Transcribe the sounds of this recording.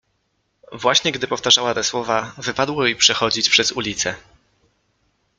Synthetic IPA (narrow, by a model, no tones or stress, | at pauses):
vwaɕɲɛɡd̪ɘpɔft̪aʐawat̪ɛswɔvavɘpad̪wɔipʂɛxɔd͡ʑit͡ɕpʂɛzulʲit̪sɛ